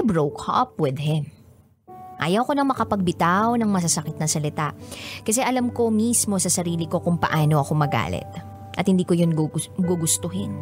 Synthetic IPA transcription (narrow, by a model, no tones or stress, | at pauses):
bɹowkɐpwɪd̪hɪm | ʔa̰ːjɐwko̞nɐŋmɐkɐpɐɡ̚bɪt̪awnɐŋmɐs̬ɐsɐkɪt̪nɐŋsɐlɪt̪aʔkɐsɛʔɐlamko̞mismo̞sɐsɐɾiːlɪko̞kʊŋpɐ̰ʔaːno̞ʔɐko̞mɐɡa̰ːlɪ̰t̪̚ | ʔɐt̪hɪnd̪iːkojʊnɡʊɡʊst̪oɦɪn